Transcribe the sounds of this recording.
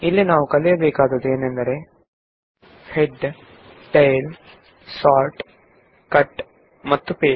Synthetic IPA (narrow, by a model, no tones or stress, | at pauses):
ilːinaːʋukɐlɛjɐbeːkaːd̪ɐd̪eːnend̪ɐɾe | heɖ | ʈɐjl | saːɾʈ | kɐʈ | mɐt̪ːupeː